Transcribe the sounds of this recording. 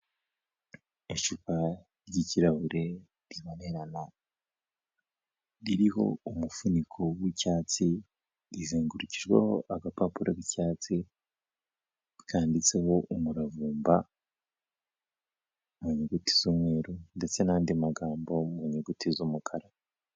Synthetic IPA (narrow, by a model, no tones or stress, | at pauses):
eʃuka | ɾɟiciɾahuɾe̞ | ɾiβone̞ɾana | ɾiɾiho̞̰umufunikʰowicaːt͡si | ɾiziːŋɡuɾuciʒɡwḛhoʔaɡapapuɾakicaːt͡si | kʰaːndit͡seho̞ʔumuɾavuːmba | muɲeɡuti̥z̥umwe̞ːɾunde̞t͡se̞naːndimaɡaːmbo̞muɲeɡutizumukʰaɾa